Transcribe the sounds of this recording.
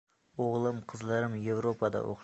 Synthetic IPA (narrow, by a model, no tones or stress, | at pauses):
oʁlˠɨmqʰəzlˠɑɾɪmje̞vɾopʰɑd̪ɑ̰wo̰q